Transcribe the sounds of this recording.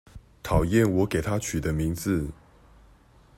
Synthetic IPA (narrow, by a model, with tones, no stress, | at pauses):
t̪ʰɑ˨˩ʊjɛ˥˨nwɔ˨˦ke˨˩ɪt̪ʰa˦t͡ɕʰy˨˩d̪ə˦mi˨˦ŋd͡z̩˨